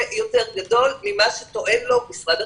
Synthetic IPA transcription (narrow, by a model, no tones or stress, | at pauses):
jo̞t̪e̞ʁɡado̞lmimaʃet̪o̞ʔe̞nlo̞bisʁad